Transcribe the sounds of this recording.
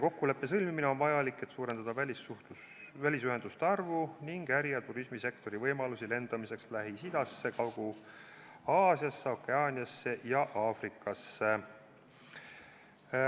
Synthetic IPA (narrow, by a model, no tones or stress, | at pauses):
ko̞kːule̞pːe̞sɤlʲmimine̞o̞nvɑjɑlikːe̞t̪suːɾe̞nd̪̥ɑd̪ɑvælʲisuu | vælʲis̬yɦe̞nd̪̥ust̪eɑrvuniŋɡ̥æɾijɑt̪uɾismise̞kt̪o̞ɾivɤjmɑlusile̞nd̪̥ɑmise̞kslæɦisid̪̥ɑsːe̞kɑwɡ̥u | ɑːsiɑsːeokːˑe̞ɑːnʲiɑsːe̞ʔjɑʔɑːfrikːˑɑsːe